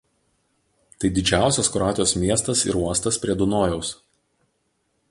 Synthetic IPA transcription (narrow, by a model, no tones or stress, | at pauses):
t̪ɐɪd̪ʲɪd͡ʒʲæˑʊsʲɛskɾɑːt̪ʲɪjoːsmʲiɛst̪ɐsɪ̰ɾuɔst̪ɐspʲɾʲiɛd̪ʊnoːjɛʊs